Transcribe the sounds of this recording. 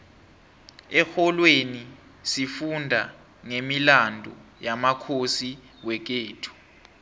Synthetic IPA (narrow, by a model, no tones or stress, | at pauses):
ɛxɔlweni | sifundʱa | ŋemilandʱɔ̰jamakʰosi | wɛk̬eːtʰu̥